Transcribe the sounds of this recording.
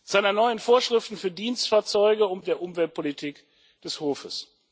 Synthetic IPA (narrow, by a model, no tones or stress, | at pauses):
z̥aɪnɐnɔʏənfoːɐʃʁ̥ɪftn̩fyːɐdiːnstfaːɐt͡sɔʏɡəʊntd̥eːɐʔʊmvɛlt̚pʰolitʰiːk | d̥ɛshoːfəs